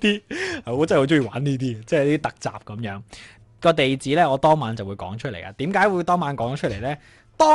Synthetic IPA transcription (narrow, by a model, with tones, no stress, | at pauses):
t̪iː˥ha˨ɔ˨˧˥t͡sa˥˨wt͡ʃʊ˥ŋjiː˨˩waː˨˥niː˥t̪̬iː˥˧t͡sɛ˥˩ja˨˦t̪iː˥t̪ɐ˨k̚t͡sa̰ː˨p̚kɐ˨˦mjœː˨˥ŋ | kɔː˧t̪e˨jt͡siː˨˥lɛː˥ŋɔː˨˧t̪ɔː˥ŋmaː˨˧nt͡sɐ˨wuː˨˧jkɔː˨˥ŋt͡ʃʰɵ˥le˨˩jʔa̰ː˧t̪iː˨˥mkaː˨˥jwuː˨˧jt̪ɔː˥ŋmaː˨˧˥nkɔː˨˥ŋ˧˥t͡ʃʰt̚le˨˩jlɛː˥ | t̪ɔː˥